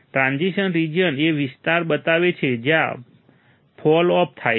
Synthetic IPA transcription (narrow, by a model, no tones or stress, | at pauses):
ʈɾãnd͡ʒiʃənɾid͡ʒəneʋist̪aɾbət̪aʋet͡ʃʰed͡ʒjã̰ | pʰɔlɔp̚ʰt̪ʰaj